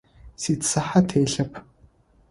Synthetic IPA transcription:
siːtsɐħatʰeːɬɐpʰ

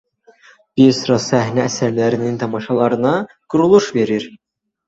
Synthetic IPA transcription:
b̥iɾsɯɾɑsæhnæːsæɾlæɾinint̪ʰɑmɑʃɑlˠɑɾɯnɑ | ɡ̥uɾulˠuʃve̞ɾiɾ

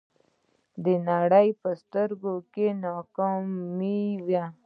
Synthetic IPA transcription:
d̪ənaɽəjpəst̪əɾɡokenɑkɑmiwja

